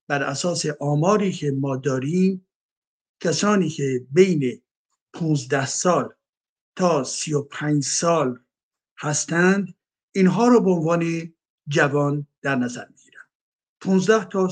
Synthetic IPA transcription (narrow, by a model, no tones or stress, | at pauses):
b̥æɾʔæsɒːseʔɒːmɒːɾiːkʰe̞mɒːd̪ɒːɾiːm | cʰæsɒːniːkʰebejne | pʰuːnzd̪æhsɒːl | t̪ʰɒːsijopʰæɲd͡ʒsɒːl | hæst̪ænd̪ | inɦɒːɾɒːbeonvɒːne | d͡ʒævɒːnd̪̥æɾnæzæ̰ɾmiɡiːɾænd̪̥ | pʰũːnzd̪æht̪ʰɒː